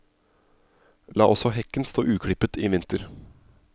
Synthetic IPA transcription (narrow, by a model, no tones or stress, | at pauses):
lɑ̰ːʔɔsɔɦɛkːənst̪o̰ːʔʉːkʰɽɪpət̪ʰiːʋɪnt̪əɾ